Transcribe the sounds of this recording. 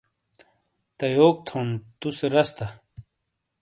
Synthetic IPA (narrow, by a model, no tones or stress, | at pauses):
t̪ɐjoːk̚t̪ʰont̪useɾɐst̪a